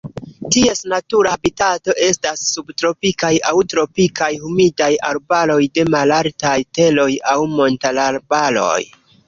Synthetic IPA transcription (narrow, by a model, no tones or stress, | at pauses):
tie̞snatuɾabitato̞ʔe̞stasːubtɾo̞pikajawtɾo̞pikajhumidajaɾbalo̞jde̞malaltajte̞lo̞jawmo̞ntalaɾbalo̞̰j